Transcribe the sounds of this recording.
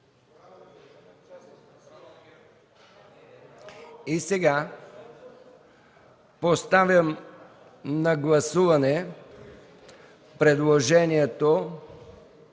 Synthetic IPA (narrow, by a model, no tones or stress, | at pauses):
isɛɡa | post̪avʲjəm | nɐɡlˠɐsuvɐnɛ | pɾɛd̪lˠoʒɛniɛt̪o